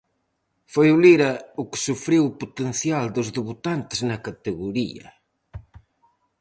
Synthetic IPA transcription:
fojuliɾɐukɪ̥sufɾiwuput̪ẽnθjald̪ʊzðeβut̪ant̪ɨznɐkɐt̪ɨɣuɾḭɐ̰

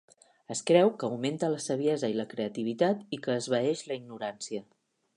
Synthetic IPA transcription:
əskɾɛwkəːwment̪ələsəβ̞iɛzəiləkɾeət̪iβ̞it̪at̪ikəːzβəɛʃləiɡnuɾansiə

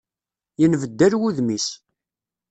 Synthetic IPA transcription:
jənvəd̪ːæɾwuðmis

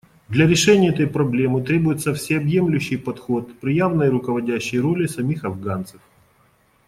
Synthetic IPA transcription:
d̪lʲɐɾʲɪʂɛnʲɪəɛt̪əjpɾɐblʲe̞mɨt̪ɾʲe̞bʊjɪt̪səfsʲɪɐbjemlʲʉɕːɪjpɐt̪xo̞t̪pɾʲɪjavnəjɾʊkəvɐdʲæɕːɪjro̞lʲɪsɐmʲixɐvɡant̪səf

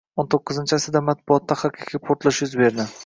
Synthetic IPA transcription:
ont̪ʰoqːɨzɪnt͡ʃʰasɪd̪amat̪̚bʊɒt̪ːaχakʲʰakʲʰapʰoɾt̪lˠɪʃjʊzbe̞ɾd̪ɪ

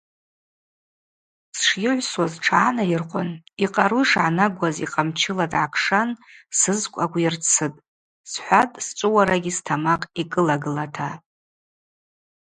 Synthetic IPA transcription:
sʂjɪʕʷswazʈ͡ʂʰaːnajɪrqʷʼʊniqʼaɾuʂʕanaɡʷazḭqʼamt͡ʃʰɪladʕakʰʂansɨzkʷʼakʷʰʼɪrt͡sʰɨtʼ | sħʷatʼst͡ʃʷʼɨwaɾaɡʲistʰamaqʼikʼɨlaɡɨlatʰa

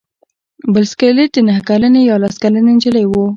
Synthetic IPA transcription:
bəlskəled̪ənahkalanejɑlaskalənend͡ʒələjwu

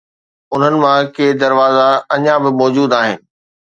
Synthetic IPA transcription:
ʊn̤ənɪ̆mãkeːd̪ɐɾʋaːzaɐɲãbɪmɔːd͡ʑuːd̪aːɦɪnɪ̆

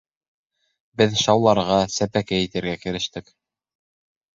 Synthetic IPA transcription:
bɘðʃɑwlˠɑɾʁɑsæpækæjĭt̪ɘ̆ɾɡækɘ̆ɾɘ̆ʃt̪ɘk

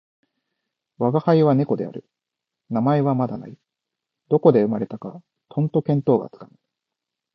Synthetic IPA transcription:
βaɡahaiβane̞ko̞d̪e̞̰a̰ɾɯ̟ | namae̞βamad̪a̰na̰i | d̪o̞ko̞d̪e̞ɯ̟maɾe̞t̪aka | t̪ʰõ̞nt̪o̞kẽ̞nt̪o̞ːɡa̰t͡sɨ̥kana

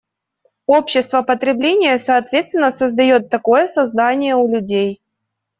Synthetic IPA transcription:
o̞pɕːɪst̪vəpət̪ɾʲɪblʲenʲɪjəsɐːt̪vʲe̞t̪st̪vʲɪnːəsəzd̪ɐjo̞t̪ːɐko̞jəsɐzd̪anʲɪjəʊlʲʉdʲej

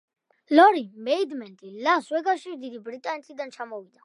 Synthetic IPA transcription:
lɔɾimɛid̪mɛnt̪ʼilaswɛɡaʃiɾd̪id̪ibɾit̪ʼanɛt̪ʰid̪ant͡ʃʰamɔvid̪a

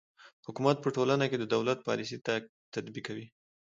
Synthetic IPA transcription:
hʊkumat̪̚pəʈolanaked̪əd̪awlat̪̚pɑ̰lisit̪a | t̪ad̪bikːawi

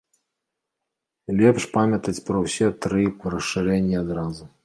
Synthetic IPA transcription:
lʲɛpʂpamʲɐt̪ɐt͡sʲpɾɐwsʲɛt̪ɾɨrɐʂːɨɾɛnʲːiad̪ɾazu

